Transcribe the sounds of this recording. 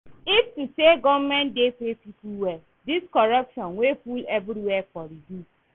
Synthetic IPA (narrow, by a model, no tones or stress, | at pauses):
iftuseɡɔvmɛ̃ndepepipuwɛ | diskɔɾʌpʃɔ̃nwefulevɾiwɛfɔɾidu